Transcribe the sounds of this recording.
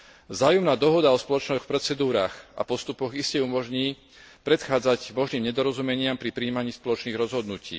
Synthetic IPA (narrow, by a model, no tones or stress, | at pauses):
vzaːjumnaːd̪ɔɦɔd̪aɔspɔlɔt͡ʃnɔxpɾɛt͡sɛd̪uːɾaːxa̰pɔst̪upɔɣiscɛumɔʒɲiː | pɾɛt̪xaːd͡zaɟmɔʒniːmɲɛd̪ɔɾɔzumɛɲɪampɾipɾiːmaɲiːspɔlɔt͡ʃniːɣɾɔzɦɔd̪nucḭː